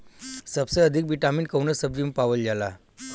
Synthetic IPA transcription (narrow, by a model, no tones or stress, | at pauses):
səbsəəd̪ʱik̚biʈamiːnkəwnəsəbʋimpaʋəld͡ʑala